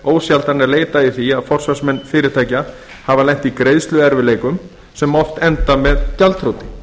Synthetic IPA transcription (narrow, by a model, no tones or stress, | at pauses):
oːwsjalt̪aɾnɛɾleːjt̪aɪθiaðfɔr̥sasmɛnːfɪːɾɪɾt̪ʰaːjca | havalɛjŋ̥t̪ikɾejðst̪lʏɛɾvɪleːjkʏm | sɛmɔft̪ɛnt̪amɛðcalt̪ʰɾoːwt̪ɪ